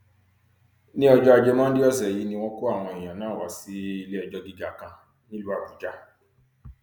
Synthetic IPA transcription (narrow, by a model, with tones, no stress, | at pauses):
nĩ˦ɔ˨d͡ʒɔ˦a˦˨d͡ʒe˦ma˦n̩˦dɪ˦ɔ˦ze˨ji˦nĩ˦ŋɔ˦kʊ˦a˦˨ŋʷɔ˨e˨ja˨na˦˨wa˨si˦i˦le˦e˨d͡ʒɔ˦ɡi˦ɡa˨kã˦ | ni˦lu˦a˨ɡu˨d͡ʒa˦